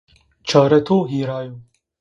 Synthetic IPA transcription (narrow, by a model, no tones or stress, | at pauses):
t͡ʃʰaːɾɐt̪ʰoːɦiːɾɑːju